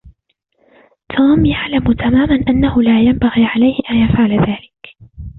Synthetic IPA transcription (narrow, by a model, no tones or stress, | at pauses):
t̪ʰuːmjaʕlamt̪ʰamaːmanʔanːahʊlaːjambaɣiːʕalajhɪʔanjafʕalaðaːlɪk